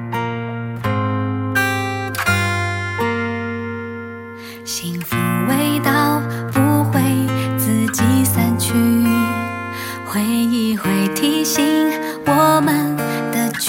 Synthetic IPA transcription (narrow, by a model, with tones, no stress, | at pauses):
ɕi˧˥ŋfu˧˩we˧˥ɪt̪ɑ˥˧˩ʊpu˧˥xwe˥ɪt͡sɹ̩˧t͡ɕi˧˥sa˧nt͡ɕʰy˥ | xwe˧˥ɪi˧xwe˥˩ɪt̪ʰi˥ŋɕi˧˥ŋ | wɔ˨˩mə˨nd̪̥ə˨t͡ɕ